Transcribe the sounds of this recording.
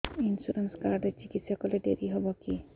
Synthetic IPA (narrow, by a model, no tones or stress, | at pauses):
insuɾenskaɾɖet͡ʃikit̪sjɔkɔleɖeɾiɦɔbɔki